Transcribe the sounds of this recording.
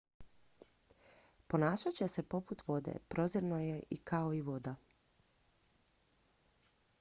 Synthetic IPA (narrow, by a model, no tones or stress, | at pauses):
po̞naːʃat͡ɕe̞se̞po̞put̪ʋo̞d̪e̞̰pɾo̞zeɾnoje̞ʔikʰaoiʋo̞d̪a